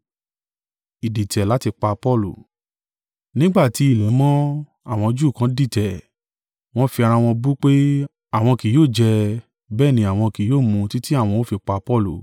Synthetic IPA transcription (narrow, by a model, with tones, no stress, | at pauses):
i˨di˨tɛ˨la˨˦ti˧k͡pa˧pɔ˦˨lṵ˨ | nĩ˦ɡ͡ba˦˨ti˨˦i˦˨lɛ˨˦mɔ̃˦ | a˦˨w̃ɔ̃˧d͡ʒuː˦˨kã˨˦di˦˨tɛ˨ | w̃ɔ̃˦fi˧ã˧ã˧w̃ɔ̃˧bu˦k͡pe˦ | a˨w̃ɔ̃˧ki˨joː˦˨d͡ʒɛ˧ | bɛː˦˨nĩ˧a˨w̃ɔ̃˧ki˨joː˦˨mũ˧ti˦ti˦a˦˨w̃ɔ̃˧o˦fi˧k͡pa˧pɔ˦˨lṵ˨